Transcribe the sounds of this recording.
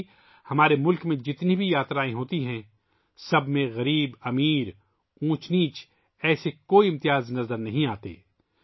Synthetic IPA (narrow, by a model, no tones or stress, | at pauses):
hɐmaːɾemʊlkmẽd͡ʒɪt̪nibʱijaːt̪ɾaːẽɦoːt̪iɦɛ̃ | sɐbʱmẽɣɐɾiːbɐmiːɾ | ũːt͡ʃniːt͡ʃ | ɛːsekoːiɪmt̪ɪjaːznɐzəɾnɐɦĩaːt̪ḛː